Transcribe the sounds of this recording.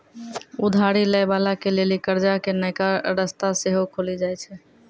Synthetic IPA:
ud̪ʱaɾiləjbalakelelikəɾd͡ʒakenəjkaɾəst̪aseɦokʰolid͡ʒajt͡ʃʰɛ

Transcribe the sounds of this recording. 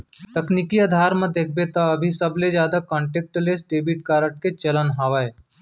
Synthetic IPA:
t̪ɐknikiaːd̪ʱaːɾmɐ̃d̪eːk̚ʰbet̪aɐbʱisɐbled͡ʒjaːd̪akɔ̃ːɳʈeːk̚ʈlesɖeːbiʈ̚kaːɾəʈ̚ket͡ʃɐlənɦaːʋae

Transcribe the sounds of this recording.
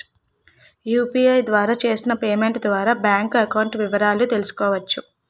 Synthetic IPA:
juːpiːɐjd̪ʋaːɾaːt͡ʃe̞ːsinɐpe̞ːme̞ɳʈd̪ʋaːɾaːbjaːŋkɐkɐwɳʈʋiʋɐɾaːlut̪e̞lusu̥kɔːʋɐt͡ʃːu

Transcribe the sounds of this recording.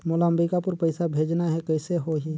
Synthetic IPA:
molaəmbɾikapʊɾpəɪsabʱeːd͡ʒnaɦɛkɛːseɦoɦi

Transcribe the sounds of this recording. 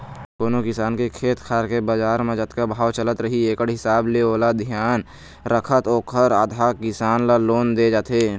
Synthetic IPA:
koːnokɪsaːnkekʰeːt̪kʰaːɾkebəd͡ʒaːɾmẽd͡ʒət̪kabʱaːʋwt͡ʃələt̪ɾəɦieːkəɽɦɪsaːbleoːlad̪ʱijaːn | ɾəkʰət̪oːkʰəɾaːd̪ʱaːkɪsaːnlaloːnd̪ed͡ʒaːt̪eː

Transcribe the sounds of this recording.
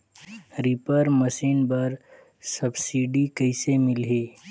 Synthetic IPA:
ɾipəɾməsiːnbɐɾ | sɐbsiːɖikɐɪsemɪlɦeː

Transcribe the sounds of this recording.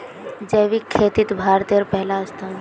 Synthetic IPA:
d͡ʒəːʋikʰːeːt̪it̪bʱaːɾt̪eɾpɛɦlaəst̪a

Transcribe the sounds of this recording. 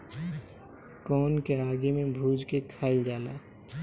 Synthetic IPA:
kɔːnkeaːɡemẽbʱuːd͡ʒkekʰaːɪld͡ʒaːlaː

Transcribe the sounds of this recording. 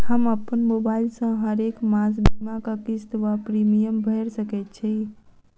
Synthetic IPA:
həməpːənmobailsə̃ɦəɾekmãsbʱimakakist̪ʋapɾimijəmbʱəɾsəkɛt̪̚t͡ʃʰi

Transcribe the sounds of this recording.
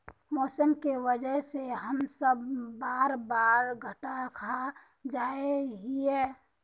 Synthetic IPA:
mɔːsəmkewəd͡ʒəɦseɦəmsəbːaːɾbaːɾɡʱəʈakʰa | d͡ʒaːeɦiɛː

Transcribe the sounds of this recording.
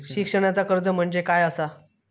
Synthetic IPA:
ɕikʂəɽ̃jat͡sakəɾd͡zəm̤əɳd͡zekajəsa

